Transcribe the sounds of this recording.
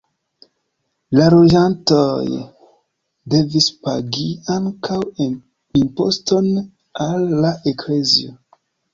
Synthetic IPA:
laɾoʒantoj | de̞vispa̰ɡiaŋkaw | impo̞̰sto̞n | alːaʔeklezḭo

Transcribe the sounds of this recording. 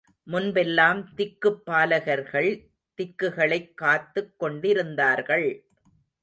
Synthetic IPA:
mʊnbɛlːaːmt̪ɪkːɯpːaːlɐɣɐɾɣɐɭ | t̪ɪkːɯɣɐɭɐɪkːaːt̪ːɯkːɔɳɖɪɾɯnd̪aːɾɣɐɭ

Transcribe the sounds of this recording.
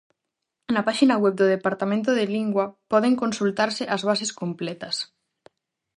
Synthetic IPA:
napaʃinawɛβ̚d̪oðepaɾt̪amẽnt̪oðeliŋɡwapɔð̞eŋkonsult̪aɾseʔazβ̞aseskomplɛt̪ɐs

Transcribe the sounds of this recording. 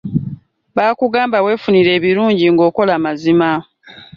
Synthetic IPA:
βaːkuɡaːmbawe̞ːfuniɾe̞ːβiɾuːɲɟiŋɡo̞ːko̞laːmazima

